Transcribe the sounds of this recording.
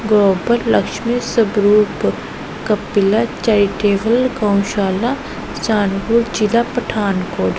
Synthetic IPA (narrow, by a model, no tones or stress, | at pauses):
ɡloːbəlːɐkʃmisɐbɾuːp | kɐpɪlat͡ʃaiʈeːʋəlɡãw̃ʃaːla | t͡ʃaːnɡuːɾt͡ʃilapɐʈʰaːnkoːd̪